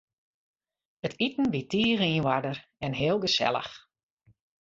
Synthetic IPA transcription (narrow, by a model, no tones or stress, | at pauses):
ətitn̩ʋitʰiːriːnʋadərɛnɦɪːlˠɡəsɛ̰lˠə̰x